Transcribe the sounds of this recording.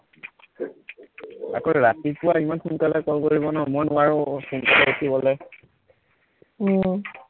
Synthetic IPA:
a̰kɔɹɹatipʊwaimanxunkalɛkɔlkoɹibɔnɔmɔjnʊaɹʊxunkalɛotʰibɔlɛ

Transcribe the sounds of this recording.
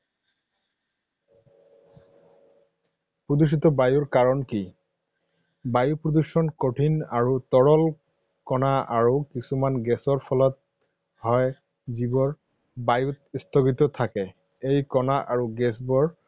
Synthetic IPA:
pɹodus̬itɔbajuɹkaɹɔnki | bajupɹodusɔnkoʈʰinaɹutɔɹɔl | kɔnaaɹukisumanɡɛsɔɹpʰɔlɔt̚ | hɔj | zibɔɹ | bajutistʰɔɡit̪ɔtʰakɛ | ejkɔnaʔaɹuɡɛsbɔɹ

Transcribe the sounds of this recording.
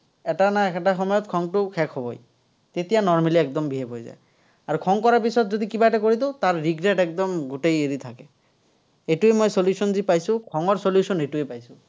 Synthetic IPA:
ɛʈanaɛkʰɛʈaxɔmɔjɔt̪kʰɔŋʈʊkʰɛkʰɦɔbɔ̰j | t̪et̪ijanɔɹmaliɛkd̪ɔmbʱiɦepojza̰j | aɹukʰɔŋkɔɹapisɔt̪zod̪ikibaɛʈak̬oɹit̪̬ʊt̪aɹːiɡɹɛʈɛk̚d̪ɔmɡutejeɹit̪ʰakɛ | etuemojsoljusɔnzipajsʊ̃kʰɔŋɔɹsoljusɔnejtuepajsʊ

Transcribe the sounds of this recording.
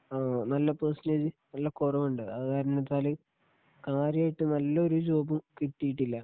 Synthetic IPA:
aːnɐlːɐpeːsneːd͡ʑɨnɐlːɐkorɐmuɳɖɨɐkaːɾɐnːɐt̪ːaːlɨ | kaːɾijaːjiʈːɨnɐlːɐoɾud͡ʑo̞ːbɐmkiʈːijiʈːilːɐ

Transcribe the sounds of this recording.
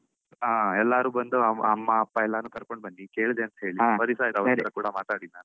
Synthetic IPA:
aːɛlːaːɾuːbɐnd̪uɐɐmːaɐpːɐɛlːaːnuːkɐɾko̞ɳɖbɐnːikeːɭd̪eɐnt̪ɐ̥ɦe̞ːɭiʋɐɾisaːjt̪ɐʋɐt̪ɐɾɐkuːɽɐmaːt̪aːɽinaːnu

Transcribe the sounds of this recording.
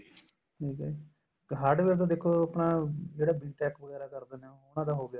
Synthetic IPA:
ʈʰiːkɛ | kɦaɖʋeːɾd̪ãːd̪eːkʰːoːəpnaːd͡ʒeːɽaːbɪnʈɛːkʋəɣɛːɾaːkəɾd̪eːnẽoʊnãːd̪aːɦoːɡɪjaː

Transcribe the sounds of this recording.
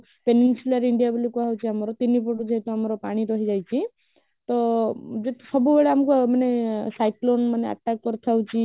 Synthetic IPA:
peninsulaɾiɳɖijabɔlikuɦawt͡ʃʰiamɔɾɔt̪inipoʈud͡ʒeɦet̪uamɔɾɔpaɽ̃iɾɔɦid͡ʒajt͡ʃʰi | t̪ɔd͡ʒet̪usɔbubeɭeamkumanesajklonmanea̰ʈakːɔɾt̪ʰawt͡ʃʰi

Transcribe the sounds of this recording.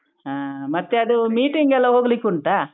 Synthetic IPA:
aːmɐt̪ːeɐd̪umiːʈiŋɡɛlːɐɦoːɡɐlikuɳʈaː

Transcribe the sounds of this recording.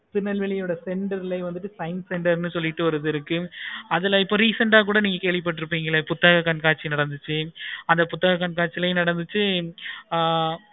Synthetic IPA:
pɪnɐlʋɛɭɪjoːɽɐsɛɳɖɐɾɪlɐɪʋɐnd̪ɯʈ̬ːɯsɐɪnsɛɳɖɐɾnːɯsɔlːɪʈːɯʋɐɾɯðɪɾɯkːɯɐðɪlɐɪpːoːɾiːsɐɳʈaːkuːɽɐniːŋɡɐkeːɭʋɪp̬ːɐʈːɯɾɯpːiːŋɡɐɭɐpʊt̪ːɐɣɐkɐnkaːʈ̚t͡ʃːinɐɽɐnd̪ɯt͡ʃːɯɐnd̪ɐpʊt̪ːɐɣɐkːɐɳkaːʈ̚t͡ʃːɪlɐjnɐɽɐnd̪ɯt͡ʃːɯ

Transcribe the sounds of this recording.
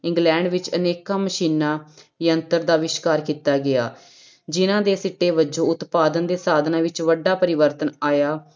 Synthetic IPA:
ɪ̃ŋɡlɛ̃ːɳɖʋɪt͡ʃəneːkaːməʃiːnãːjənt̪əɾd̪aːʋɪʃkaːɾkiːt̪aːɡɪa̰ː | d͡ʒɪnãːd̪eːsɪʈːeːʋəd͡ʒõːʊt̪paːd̪ənd̪eːsaːd̪nãːʋɪt͡ʃʋəɖːaːpəɾɪʋəɾt̪ənaːjaː

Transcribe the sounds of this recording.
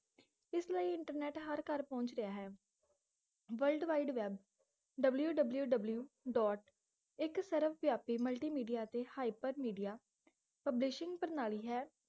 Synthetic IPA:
ɪslaːiːɪɳʈəɾnɛːʈɦəɾkəɾpɔ̃ːɲt͡ʃɾəjaːɦɛː | ʋəlɖʋaːiɖʋɛːb | ɖəbljuːɖəbljuːɖəbljuːɖɔːʈ | ɪksəɾəfʰʋjaːpiːməlʈiːmiːɖijaːt̪eːhaːipəɾmiːɖijaː | pəblɪʃɪŋɡpəɾnaːɭiːɦɛː

